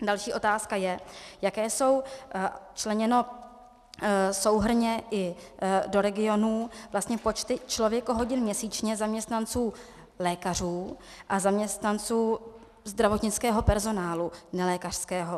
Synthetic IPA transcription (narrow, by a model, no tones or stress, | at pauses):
dalʃiːʔo̞t̪aːskajɛjakɛːso̞w | t͡ʃlɛɲɛno̞ | so̞wɦr̩ɲɛʔɪdo̞ɾɛɡɪo̞nuːvlast̪ɲɛpo̞t͡ʃt̪ɪt͡ʃlo̞vjɛkoɦo̞ɟɪnmɲɛsiːt͡ʃɲɛzamɲɛst̪nant͡suː | lɛːkar̝uːʔazamɲɛst̪nant͡suː | zd̪ɾavo̞t̪ɲɪt͡skɛːɦo̞pɛɾzo̞naːlunɛlɛːkar̥skɛːɦo